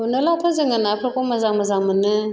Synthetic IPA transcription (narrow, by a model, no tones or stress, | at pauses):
ɨnəlatʰozəŋənapʰəɾkʼoməzaməzamɨnɨ